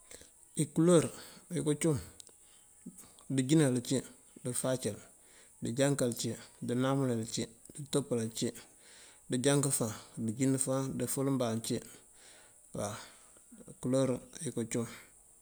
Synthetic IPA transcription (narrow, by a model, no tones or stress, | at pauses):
ikuloɾjikut͡ʃum | diɟinalt͡ʃi | difat͡ʃel | did͡ʒaŋkalt͡ʃidinamulelt͡ʃiditopalat͡ʃi | diɟaŋkafadiɟinifadifulmbant͡ʃi | wa | kuloɾjkut͡ʃum